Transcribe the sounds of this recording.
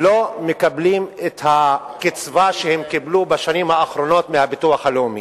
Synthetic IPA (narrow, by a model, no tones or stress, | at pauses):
lomekablimet̪hakit͡svaʃehemkiblubaʃanimhaːχɾo̞no̞t̪mehabituaχhaleumḭ